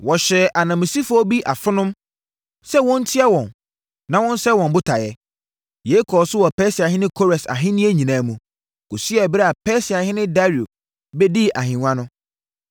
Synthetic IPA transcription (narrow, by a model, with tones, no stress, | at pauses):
wɔ˨ɕɛ˨ʔa˨nã˨mɪ̃˨si˦fʊ˦ɔ˦bi˦ʔa˨fɪ˦nʊ̃˦m | sɛ˦wɔ̃˦n̩˦tʰi˦ɛ˦wɔ̃˨n | nã˨wɔ̃˦n˦sɛ˦wɔ̃˨mbʊ˦tʰa˨jɛ˦ | je˨˦kʰɔ˨sʊ˦wɔ˨pɛː˦sɪ˨a˨ɦɪ̃˦nɪ̃˦kʰo˦ɾɛ˨sa̰˨ɦɪ̃˦nĩ˦e˦ɲĩ˨nãː˨˦mũ˨ | ɡ̥o˨si˦ɛ˨bɪ˦ɾɛ˦a˨pʰɛː˦sɪ˨a˨hɪ̃˦nɪ̃˦da˦ɾi˨u˨ | bɛ˦di˦ʔa˨ɦɪ̃˨ŋã˦nʊ̃˦